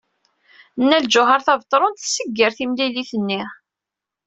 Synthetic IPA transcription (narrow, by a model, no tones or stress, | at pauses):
nːæld͡ʒʊɦɑɾθɑvt̪ˤːɾˤont̪θsəɡːəɾθimliliθənːi